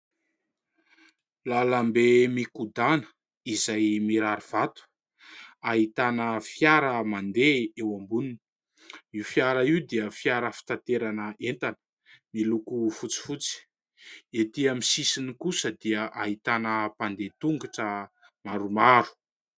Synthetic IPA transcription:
lalambemikud̪anə̥ | izajmiɾaɾiv̥at̪u̥ | aɦit̪anəfjaɾəmand̪eewambunini | ifjaɾaiwd̪iəfjaɾəfi̥t̪at̪eɾanəent̪anə̥ | milukufut͡si̥fut͡si̥ | et̪iamisisinikusəd̪iəʔaɦit̪anəpand̪et̪uŋɡiʈ͡ʂə | maɾumaɾu̥

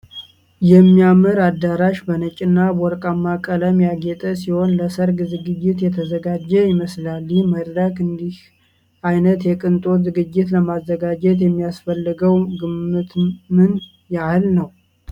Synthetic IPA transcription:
jɛmːijamɨɾad̪ːaɾaʃbənət͡ʃʼɪnːabɔɾkʼamːakʼələmjaɡɛt̪ʼəsiho̞nləsəɾɡzɨɡɨd͡ʒːɪt̪jɛt̪ʰəzəɡad͡ʒɛjɪməslalːiməd̪d̪akɨnd̪ih | ʔajnət̪jɛkʼɨnt̪ʼozɨɡɨd͡ʒːɪt̪ləmazːəɡad͡ʒɛt̪̬jɛmːijasfəlːɨɡəwɡɨmːɨt̪mɨn | jahɨlnəw

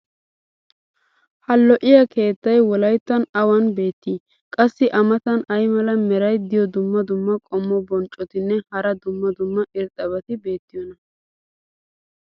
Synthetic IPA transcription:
hɐlːɔʔɪjɐkʰe̞ːt̪ːɐjwɔlɐjt̪ːɐnɐwɐnbe̞ːt̪ːiː | kʼɐsːɪʔɐmɐt̪ɐnɐjmɐlɐmɛɾɐjd̪ɪjɔd̪ʊmːɐd̪ʊmːɐkʼɔmːɔbɔnt͡ʃʼːɔt̪ɪnːɛhɐɾɐd̪ʊmːɐd̪ʊmːɐʔɪɾt̪ʼɐbɐt̪ɪbe̞ːt̪ːɪjɔnɐ

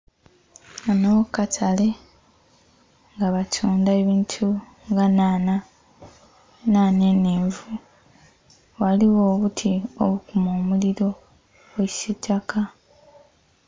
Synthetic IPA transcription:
anokatʰale̞ | ŋɡaβatʰuːndaeβiːntʰu | ŋɡanana | naneneːɱvu | waliwo̞ːβutʰio̰βukumoːmuliɾo̞ | weci̥sitːaka

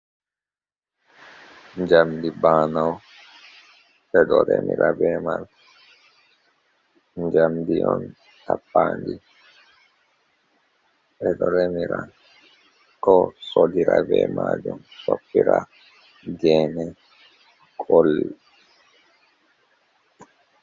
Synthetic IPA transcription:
ɲd͡ʒamd̪ibaːnaw | bɛdɔɾɛmiɾabɛmal | ɲd͡ʒamd̪iʔɔn | t̪apːaːndi | bɛɗɔɾɛmiɾa | kɔsɔdiɾabɛːmad͡ʒɔmsɔpːiɾa | ɡɛnɛ | kʰʼɔl

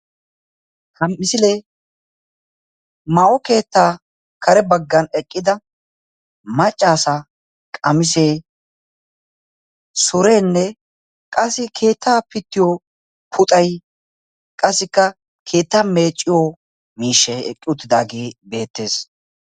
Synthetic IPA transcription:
hɐmːɪsɪle | mɐʔɔke̞ːt̪ːaː | kʰɐɾɛbɐɡːɐnɛkʼːɪd̪ɐ | mɐt͡ʃʼːaːsɐ | kʼɐmɪseː | sɔɾeːnːɛ | kʼɐsːɪkʰe̞ːt̪ʰːaːpɪt̪ːɪjo | pʰʊt̪ʼɐj | kʼɐsːɪkːɐ | kʰe̞ːt̪ːaːme̞ːt͡ʃʼːɪjo | miːʃːɛɛkʼːɪʊt̪ːɪd̪aːɡiːbe̞ːt̪ːe̞ːs

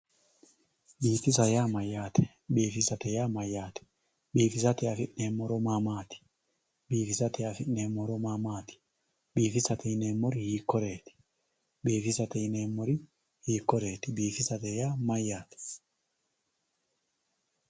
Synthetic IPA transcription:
biːfɪs̬ɐjaːmɐjːaːt̪ʰɛ̥ | biːfɪsɐt̪ɛjaːmɐjːaːt̪ɛ̥ | biːfɪsɐt̪ɛjafɪʔneːmːɔɾɔmamaːt̪ɪ̥ | biːfɪsɐt̪ɛjafɪʔneːmɔɾɔmamaːt̪ɪ̥ | biːfɪsɐt̪ɛjɪneːmːɔɾɪhiːkːɔɾeːt̪ɪ̥ | biːfɪsɐt̪ɛjɪneːmːɔɾɪ | hiːkːɔɾeːt̪ɪbiːfɪsɐt̪ɛjaːmɐjːaːt̪ɛ̥

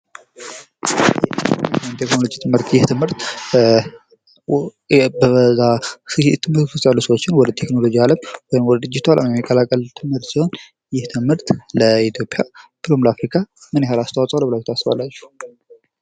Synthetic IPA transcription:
jɛɔjmt̪ʰe̞kno̞lo̞d͡ʒit̪ʰɨmhɨɾt̪jɪht̪ʰɨmhɨɾt̪ | bəzast̪ʰɨmhɨɾt̪sɨsʼalːusəwot͡ʃːɪnwɔd̪ət̪ʰe̞kno̞lo̞d͡ʒialəmwɔjɪmwɔd̪d̪ɨd͡ʒːɪt̪ʰalʔa̰mjɛmːikʼːəlakʼəlt̪ʰɨmhɨɾt̪siho̞n | jɪht̪ʰɨmhɨɾt̪ləit̪ʰjo̞pʼjab̥ɨlo̞mləafɾikʰamɨnehalast̪ʰawasʼəwləbɨlajt̪ʰasβa̰lːat͡ʃːɛ̥h

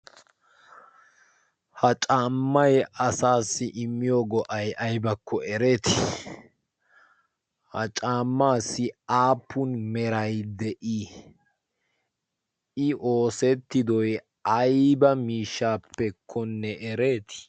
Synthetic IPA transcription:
hɐt͡ʃʼaːmːɐjʔɐsaːsːɪʔɪmːɪjoːɡɔʔɐjʔɐjbɐkʰːɔɛɾe̞ːt̪ɪ̥ | hɐ̰t͡ʃʼaːmːaːsːɪaːpːʊnmɛɾɐjd̪ɛʔi | ɪʔo̞ːsɛt̪ːɪd̪ɔj | ɐjbɐmiːʃːaːpːɛkʰːɔnːɛʔɛɾe̞ːt̪ɪ̥

